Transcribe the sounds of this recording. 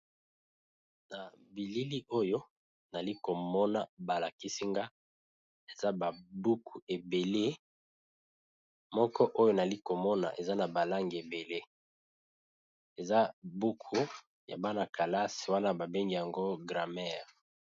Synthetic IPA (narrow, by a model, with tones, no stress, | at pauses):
na˨bi˨li˦li˦ʔo˦jo˦ | na˨li˦ko˨mɔ˦na˦ba˨la˨ki˦si˦ŋɡa˦ | e˨za˦ba˨bu˦kʰu˨e˨be˨le˦ | mɔ˦kɔ˦ʔo˦jo˦na˨li˦ko˨mɔ˦na̰˨ʔe˨za˦na˨ba˨la˦ŋɡi˨e˨be˨le˦ | e˨za˦bu˦kʰu˦ | ja̰˨ba˦na˨ka˨la˦si̥˨wa˦na˦ba˨be˦ŋɡi˨ja˨ŋɡo˦ɡʁa˨mɛ˦ʁ